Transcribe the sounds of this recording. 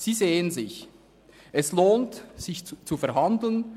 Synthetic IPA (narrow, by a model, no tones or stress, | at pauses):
z̥iːzeːənzɪç | ʔɛsloːntz̥ɪçt͡sufɛɐɦandl̩n